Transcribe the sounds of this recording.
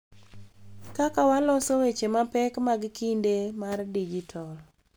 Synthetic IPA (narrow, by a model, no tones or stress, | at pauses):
kakawalɔsowet͡ʃemapɛkmaɡkindemardid͡ʒitʰɔl